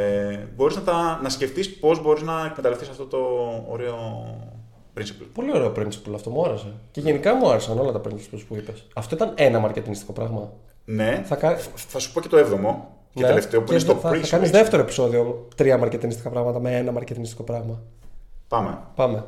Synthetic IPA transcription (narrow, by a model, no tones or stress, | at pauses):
bo̞ɾiznɐt̪ɐnɐsce̞ft̪ispo̞zbo̞ɾiznɐekmet̪ɐlefθisɐft̪ot̪o̞̰ːɾe̞o | pɾinsi̥plpo̞lio̞ɾe̞o̞pɾinsi̥plɐft̪o̞muɐɾeseceʝe̞nikɐmuɐɾesɐno̞lɐt̪ɐpɾinsi̥pulspuipesɐft̪o̞it̪ɐne̞nɐmɐɾce̞t̪inisi̥ko̞pɾɐɣmɐ | ne̞θɐkɐθɐsu̥po̞cet̪oevðomo̞ | neeeleft̪eopɾsθɐθɐkɐnizðe̞ft̪e̞ɾoepi̥so̞ðio̞t̪ɾiɐmɐɾcet̪inist̪ikɐpɾɐɣmɐt̪ɐmeenɐmɐɾce̞t̪inist̪iko̞pɾɐɣmɐpɐmḛpɐme̞